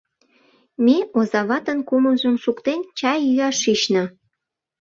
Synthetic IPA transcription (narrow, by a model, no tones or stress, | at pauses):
meozɑβɑt̪ənkuməʒənʃukt̪ent͡ɕɑjyɑʃit͡ɕnɤ̆